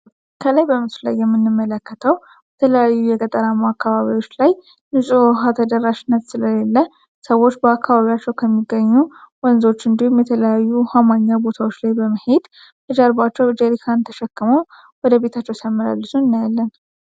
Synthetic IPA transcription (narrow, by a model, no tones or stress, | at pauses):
kʰələjbəmɨsla̰jːɛmːɨnːɨmːələkːət̪ʰəw | b̥ət̪ʰələjajːujɛkʼət̪ʼəɾamaakːaβaβio̞t͡ʃːlaj | nɨsʼuɦat̪ʰəd̪əɾːaʃɪnːət̪sɨləlelːə | səwo̞t͡ʃːbəakːaβaβijat͡ʃːɛwkʰəmːiɡːəɲːuwɔnzo̞t͡ʃːɨnd̪ihumjɛt̪ʰələjajːuhamaɲːabo̞t̪ʰawot͡ʃːlajbəməhed̪ | t̪ʰəd͡ʒaɾbat͡ʃːɛwd͡ʒɛɾikʰant̪ʰəʃɛkːɨməw | wɔd̪əbe̞t̪ʰat͡ʃːɛwsamːəla̰lːɨsuɨnːajalːən